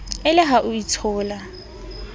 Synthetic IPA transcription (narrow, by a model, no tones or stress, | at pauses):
ɪlɪɦaʔʊit͡sʰɔːla